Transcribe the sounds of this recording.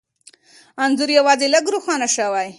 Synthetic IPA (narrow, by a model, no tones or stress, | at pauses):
anzʊɾjawɑzeləɡɾuxɑnaʃawaj